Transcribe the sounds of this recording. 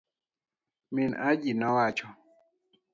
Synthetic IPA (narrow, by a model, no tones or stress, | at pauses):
minad͡ʒinawat͡ʃɔ